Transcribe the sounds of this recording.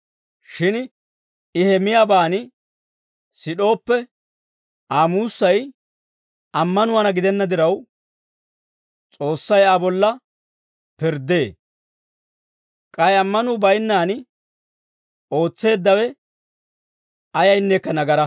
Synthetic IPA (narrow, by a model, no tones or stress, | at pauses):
ʃɪn | ɪhɛmɪjaːbaːnɪ | sɪɗo̞ːpːɛ | aːmuːsːɐj | ɐmːɐnʊwɐnɐɡɪd̪ɛnːɐd̪ɪɾɐw | t͡sʼo̞ːsːɐjaːbɔlːɐ | pɪɾd̪eː | kʼɐjɐmːɐnʊbɐjnːaːnɪ | o̞ːt͡sːe̞ːd̪ːɐwɛ | ɐjɐjnːeːkːɐnɐɡɐɾɐ